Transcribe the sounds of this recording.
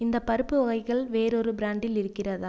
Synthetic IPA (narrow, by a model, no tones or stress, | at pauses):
ɪnd̪ɐpːɐɾɯpːɯɔɣɐɪɣɐɭʋeːɾɔɾɯbɪɾaːɳɖɪlɪɾɯkːɪrɐðaː